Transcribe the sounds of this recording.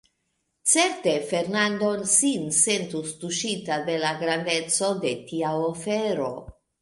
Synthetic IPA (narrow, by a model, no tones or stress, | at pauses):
t͡se̞ɾt̪e̞fe̞ɾnand̪o̞nsinse̞nt̪ust̪uʃitad̪e̞laɡɾand̪e̞t͡so̞d̪e̞t̪iaofeɾo̞